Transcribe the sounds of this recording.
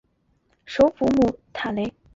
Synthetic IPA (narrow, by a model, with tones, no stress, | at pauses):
ʂo˧˥ʊfu˧˥mu˥˩t̪ʰa˨˩le˧˥ɪ